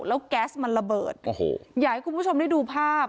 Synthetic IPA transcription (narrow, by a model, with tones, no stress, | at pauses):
lɛː˦˥wkɛː˦˥sma˧nɾa˧bɤː˨˩t̪̚o˨˩ho̰˧jaː˨˩ha˦jku˧npu˥˩t͡ɕʰo˧mda˥˩jduː˧pʰaː˥˩p̚